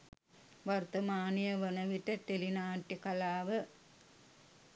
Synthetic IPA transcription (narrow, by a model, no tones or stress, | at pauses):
ʋɐɾt̪ɐmaːnijɐʋɐnɐʋiʈːɐt̪elinaːʈːikɐlaːʋɨ